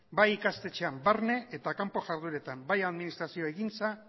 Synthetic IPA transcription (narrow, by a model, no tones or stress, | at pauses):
bajikast̪e̞t͡ʃe̞ambaɾne̞ʔet̪akampo̞ʝaɾðuɾe̞t̪ambajaðminist̪ɾasioe̞ɣint͡sa